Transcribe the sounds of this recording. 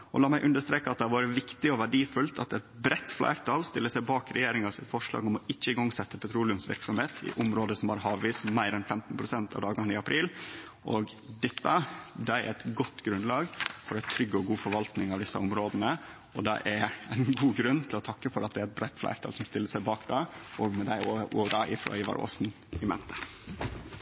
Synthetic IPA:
ɔ̰lɑːmæɪʔʉnd̪əʂt̪ɾeːkəɑt̪̚d̪ɛɑʋɑːɾəʋɪkt̪ɪɔʋæɖiːfʉlt̪ʰɑt̪ɛt̪bɾɛt̪ːflæ̰ɪɾt̪ʰɑːlst̪ɪlːəsæɪbɑːkɾɛjeːɾɪŋɑsɪ̰fɔʂlɑ̰ːɡɔmɔɪt͡ʃːəɪɡɑŋːsɛt̪ːəpʰɛt̪ʰɾuːlɪʉmsʋɪ̰ɾksɔmheːt̪ʰɪ̰ʔɔmɾoːd̪əsɔmhɑɾhɑːʋʋiːsmæɪɾɛnfɛmt̪n̩pɾʊsɛnt̪ʰɑ̰ʋd̪ɑːɡɑnɪɑpʰɾiːl | ʔɔɡ | d̪ɛt̪ːəd̪ɛæ̰ɾɛt̪ɡɔt̪ːɡɾʉnlɑːɡfɔɾæɪt̪ʰɾʏɡːɔɡuːfɔɾʋɑlt̪nɪŋɑʋd̪ɪsːɑ̰ɔmɾoːd̪ənə | ɔd̪ɛ̰ʔæɾæɪnɡuːɡɾʉnt̪ʰɪlɔt̪ʰɑkːəfɔɾɑt̪̚d̪ɛæɾɛt̪̚bɾæt̪ːflæ̰ɪɾt̪ʰɑ̰lsɔmst̪ɪlːəsæɪbɑːkd̪ɑːʔɔɡmɛd̪æɪoʔoːɾɑʔɪfɾɑ̰ːɪːʋɑ̰ɾʔo̰ːsn̩ | ɪmɛ̰nt̪ə

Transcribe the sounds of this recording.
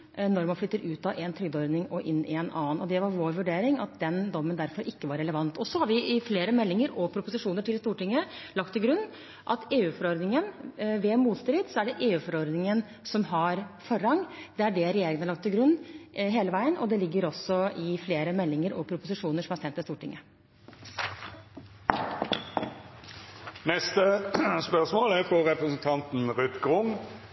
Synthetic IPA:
nɔɾmɑnflʏt̪ːəɾʉːt̪ɑʔɛnt̪ʰɾʏɡd̪ɔɾd̪nɪŋɔʔɪnːɪɛnʔɑ̰ːnɔd̪ɛʋɑɾʋoːɾʋʉɖeːɾɪŋɑ̰t̪̚d̪ɛnd̪ɔmːənd̪æɾfɔɾʔɪkːəʋɑɾːɛləʋɑnt̪ɔsɔhɑɾʋɪɪfleːɾəmɛlːɪŋəɾɔpʰɾʊpʊsɪʂuːnəʈʰɪlst̪uːʈɪŋːəlɑkt̪ʰːɪlɡɾʉnː | ʔɑt̪eːʉːfɔɾɔɾd̪nɪŋənʋɛmuːt̪st̪ɾɪd̪sɔæɖɛʔeːʉːfɔɾɔɾd̪nɪŋən | sɔmɦɑɾfɔɾɑŋːd̪̥ɛæɖɛɾɛjeːɾɪŋənɑɭɑk̚t̪ʰːɪlɡɾʉnːɦeːləʋæɪənɔd̪ɛlɪɡːəɾɔsːɔɪfleːɾəmɛlːɪŋəɾɔpʰɾʊpʊsɪʂuːnəʂɔmhæɾsɛnt̪ːɪst̪uːʈɪŋːə | nɛst̪əspœʁsmoːlæfɔʁɛpɾəsn̩t̪ʰɑnt̪n̩ʁʉt̪ɡʁʊŋ

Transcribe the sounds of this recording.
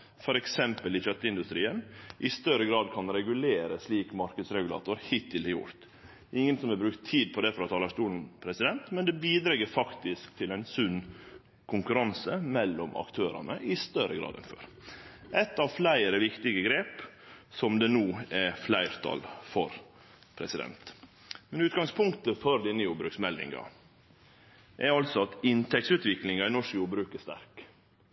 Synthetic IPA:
fɔɾɛksɛmpəlɪʃœt̪ːəɪnd̪ʉst̪ɾiːənʔɪst̪œɾəɡɾɑːd̪̚kʰɑnɾɛɡʉleːɾəsliːkmɑɾkəd̪sɾɛɡʉlɑ̰ːt̪ʊɾhɪt̪ʰːɪlhɛjʊ̰ɾt̪ | ɪŋːənsɔmɛbɾʉkt̪ʰːiːd̪̚pʰɔd̪ɛfɔɾɔt̪ʰɑːlɑʂt̪uːln̩pʰɾɛsɪd̪ɛnt̪mɛnd̪ɛbiːd̪ɾɛɡəɾfɑkt̪ɪskt̪ʰɪlɛnsʉnː | kʰʊŋkʉɾɑnsəmɛlːɔmʔɑ̰kt̪ʰøːɾɑ̰nəʔɪst̪œɾəɡɾɑ̰ːd̪ɛ̰nfø̰ːɾ | ʔɛt̪ɑʋflæɪɾəʋɪkt̪ɪɡəɡɾeːpsɔmd̪ɛnuːɛflæɪɾt̪ʰɑ̰lfɔɾ | pʰɾɛsɪd̪ɛ̰nt̪ | mɛnʉːt̪ɡɑŋspʰʊŋkt̪əfɔɾd̪ɪnːəjuːbɾʉksmɛlːɪ̰ŋɑ̰ | ʔɛɾɑlsɔɑt̪ɪnt̪ʰɛktsʉːt̪ʋɪklɪŋɑɪnɔʂəjuːbɾʉːkəst̪æ̰ɾk

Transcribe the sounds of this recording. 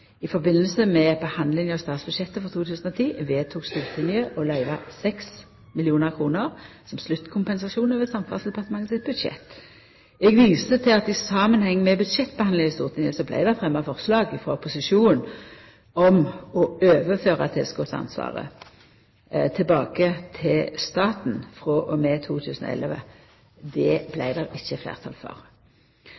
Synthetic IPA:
ɪfɔʁbɪnːəlsəmɛbəhɑnd̪lɪŋɑʋst̪ɑːt̪sb̥ʉd̪ʃɛt̪ːəfɔʁt̪ʰuːt̪ʰʉːsn̩ɔt̪ʰiːʋeːt̪ʰuːkst̪uːʁt̪ʰɪnjəʔɔlæɪʋɑ̰sɛks | mɪlɪuːnəʁkʰʁuːnəʁsɔmslʉt̪ːkʰʊmpɛnsɑsuːnɑʋɛsɑmfɑlsd̪ɛpɑʁt̪əmɑŋːəsɪt̪̚bʉd̪ʃɛ̰t̪ː | ɛɡʋiːsət̪ʰɪlɑt̪ɪsɑːmənhɛŋːəmɛbʉd̪ʃɛt̪ːbəhɑnd̪lɪŋɑst̪uːʁt̪ɪnjəsɔblæ̰ɪd̪æfʁɛmːɑfɔʁslɑːɡɪfʁoːpʰʊsɪʃuːn̩ | ɔmɔøːʋəføːʁɑt̪ʰeːskoːsɑ̰nsʋɑ̰ːʁə̰ | t̪ʰɪlbɑːkət̪ʰɪlst̪ɑːt̪n̩fʁɔʔɔmɛt̪ʰuːt̪ʰʉːsn̩ɔ̰ɛ̰ləʋə̰ | d̪ɛblæɪd̪ɛɾɪçːəflæ̰ːʁt̪ʰɑ̰lfɔ̰ʁ

